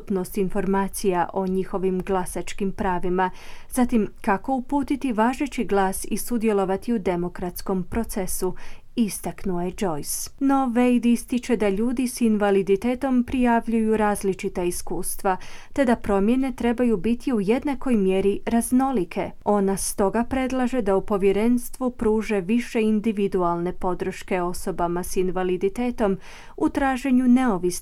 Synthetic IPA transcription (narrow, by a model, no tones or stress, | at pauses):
upno̞st̪info̞ɾmaːt̪sijaʔo̞ɲixo̞ʋimɡlˠasat͡ʃkimpɾaːʋimazat̪imkako̞upuːt̪it̪iʋaːʒet͡ʃiɡlˠaːsisud̪je̞lˠo̞ʋat̪iud̪e̞mokɾat̪sko̞mpɾo̞t̪sesu | ist̪aknuoje̞d͡ʒo̞jsno̞ʋejd̪ist̪it͡ʃe̞d̪aʎuːd̪isinʋalid̪it̪e̞ːt̪o̞mpɾijaʋʎujuɾaːzlit͡ʃit̪aiskuːst̪ʋat̪e̞d̪apɾo̞mje̞ne̞t̪ɾe̞bajubit̪ʰiuje̞d̪nako̞jmjeɾiɾazno̞likʰe̞o̞nast̪o̞ɡapɾe̞d̪lˠaʒe̞d̪aupo̞ʋje̞ɾe̞nst̪ʋupɾuːʒe̞ʋiʃe̞ind̪iʋid̪ualˠne̞po̞d̪ɾ̩ʃke̞o̞so̞bamasinʋalid̪it̪e̞ːt̪o̞m | ut̪ɾaːʒe̞ɲune̞o̞ʋis